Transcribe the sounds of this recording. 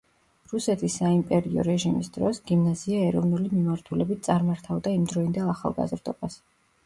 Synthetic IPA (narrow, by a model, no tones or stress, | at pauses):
ɾusɛt̪ʰisːaimpʼɛɾiɔ̰ɾɛʒimisd̪̥ɾɔsɡimnaziaɛɾɔvnulimimaɾt̪ʰulɛbit̪̚ʰt̪sʼaɾmaɾt̪ʰavd̪aimd̪ɾɔind̪ɛlˠaχa̰lˠɡa̰zɾd̪ɔbas